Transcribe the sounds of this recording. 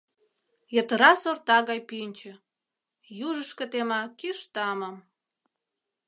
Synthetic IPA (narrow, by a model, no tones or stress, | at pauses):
jə̆t̪əɾɑsort̪ɑɣɑjpinʲt͡ɕə̆ | juʒəʃkə̆t̪emɑkiʃt̪ɑməm